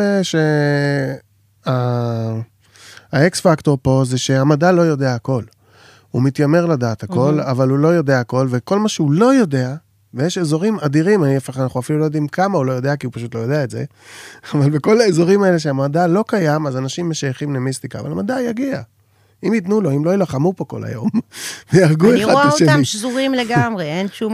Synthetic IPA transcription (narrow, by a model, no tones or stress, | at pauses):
eʃe | a | aeksfakto̞ʁpo̞zeʃe̞amadalo̞jo̞deaːko̞l | humitjame̞ʁladaːthako̞lavalulo̞jo̞de̞aːko̞lveko̞lmaʃeulo̞jo̞de̞a | vejeʃezo̞ʁimadiʁimaniafaanaχuafilulo̞jod̪imkamaulo̞jo̞d̪eakiupaʃutlojo̞deaetze̞̰ | avalbe̞ko̞laezo̞ʁimaele̞ʃeamadalo̞kajamazanaʃimːe̞ʃajaχimnemist̪ika̰ːva̰lamadajaɡia | imjitnulo̞imlo̞ilaχamupo̞ko̞̰la̰jo̞̰mvejaʁɡueʁadaaotʃeamiʃzuʁimleɡamʁeenʃu